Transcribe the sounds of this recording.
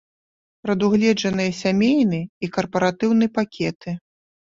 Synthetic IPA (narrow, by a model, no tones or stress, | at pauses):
pɾɐd̪uɣlʲɛd͡ʐɐnɨjɐsʲamʲejnɨikɐrpɐɾat̪ɨwnɨpakʲɛt̪ɨ